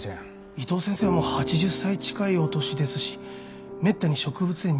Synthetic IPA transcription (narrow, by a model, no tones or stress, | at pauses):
it̪o̞ːsẽseːmo̞hat͡ɕiʑɨsːait͡ɕi̥kaio̞t̪o̞ɕid̪e̞sɨɕi̥ | me̞t̪ːaɲ̟iɕo̞kɯ̟bɯ̟t͡sɨ̥e̞ɲː